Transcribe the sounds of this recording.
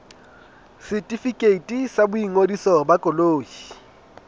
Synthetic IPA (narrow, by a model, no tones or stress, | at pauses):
sɪtʼifikʼeitʼisabʊiŋodisɔbakʼɔloːji